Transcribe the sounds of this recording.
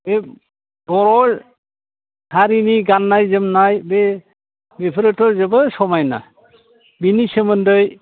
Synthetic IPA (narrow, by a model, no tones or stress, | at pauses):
e | ɡ̥ɔɾɔl | hʰaɾiniɡanːajzɯmnajbe | bepʰɯɾɯtɔzɯbɯsɔmajna̰ | binisɯmɯndɯj